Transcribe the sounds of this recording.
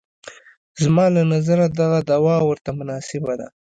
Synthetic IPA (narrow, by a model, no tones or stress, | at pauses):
zmɑlanazaɾad̪aɣad̪awɑwəɾt̪amʊnɑsɪbad̪a̰